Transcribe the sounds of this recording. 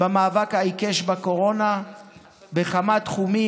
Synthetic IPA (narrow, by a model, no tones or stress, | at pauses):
bamaːvakhaikeʃbako̞ʁo̞na | beχamat̪χumi